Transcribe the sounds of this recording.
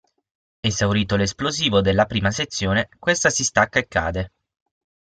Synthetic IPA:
ezawɾiːt̪oles̬ploziːvod̪elːapɾiːmaset̪sːjoːnekwest̪asist̪akːaekːa̰ːd̪e

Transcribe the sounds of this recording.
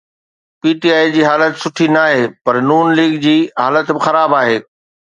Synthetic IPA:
piːʈiaːid͡ʑiːɦaːlət̪sʊʈʰinaːɦeːpɐɾnuːnliːɡd͡ʑiːɦaːlət̪bɪxɐɾaːbaːɦeː

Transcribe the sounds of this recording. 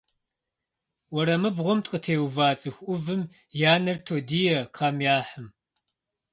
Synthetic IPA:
wɔɾɐmɨbʁʷɔmtʼqʼətʰeːwvaːt͡sʼɨxʷʔʊvɨm | jaːnɐrtʰoːdiːjɛqʰɑmjaːħɨm

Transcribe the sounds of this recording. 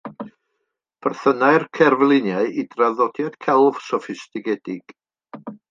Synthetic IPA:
b̥ərθənaɨrkʰɛrvlˠɪnjaɨʔidraðɔd̥jad̥kʰɛlˠv̥sɔfɪstɪɡɛdɪɡ̥

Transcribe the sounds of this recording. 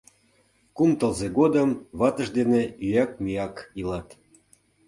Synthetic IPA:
kumt̪ə̆lzeɡod̪əmβɑt̪ə̆ʒd̪eneyjɑk̚mijɑkilɑt̪

